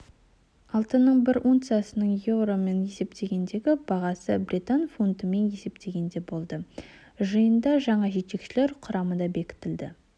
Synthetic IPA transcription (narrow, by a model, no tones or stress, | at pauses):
ɑlˠt̪ənəɴbɪɾunt̪sɨjasənəɴjevɾo̞me̞nje̞se̞p̚t̪ʰe̞ɡʲe̞nd̪e̞ɡʲɪbɑʁɑsəbɾit̪anfunt̪əme̞nje̞se̞p̚t̪ʰe̞ɡʲe̞nd̪e̞bo̞lˠd̪ə | ʒəjənd̪ɑʒɑɴɑʒe̞t̪̚e̞kʃɪle̞ɾqʰʊɾɑmənd̪ɑbe̞kʲɪ̥t̪ɪld̪ɪ